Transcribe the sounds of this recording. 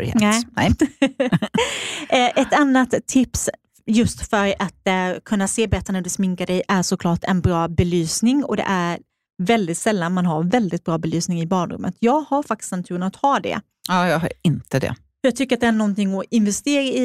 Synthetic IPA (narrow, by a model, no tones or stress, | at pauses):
ɾhɛ̰nɛɛ | ʔɛt̪anːat̪ʰːɪps | jɵst̪fœɾat̪kʰɵnːaseːbɛɾɛt̪ːɾanhɵɖɛsmɪŋkaɖɛjʔæʂɔkʰlɑːʈɛnbɾɑːbɛlyːsnɪŋɔ̰d̪ɛ̰ʔæɾ | vɛld̪ɪt̪sɛlːanmanɦaɾvɛld̪ɪt̪̚bɾɑːbɛlyːsnɪŋɪbɑːnɾɵ̰mːə̰t̪ʰjɑːɡhaɾfak̚t̪ɪ̥snt̪ʰʉːɾənat̪hɑːd̪ɛ̰ | ɑːjɑːɡɦa̰ɾɪnt̪əd̪ɛ̰ | fœjɑɡ̚t̪ʰʏkːɾat̪d̪ɛæɳɔnt̪ɪŋːɔɪnvɛst̪eːɾaɪ